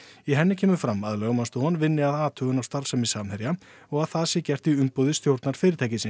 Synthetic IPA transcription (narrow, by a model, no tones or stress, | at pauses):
iɦɛnːɪcʰɛːmʏfɾamaðlœɣmanst̪ʏhɔnvɪnːɪaðaːt̪ʰœːɣʏnawst̪aɾsɛmisaːmhɛɾja | ɔɣaðθaðsjɛcɛr̥t̪iʏmpoːwðɪst̪jowɾt̪naɾ̥fɪːɾɪ̥ɾt̪ʰajcɪsɪn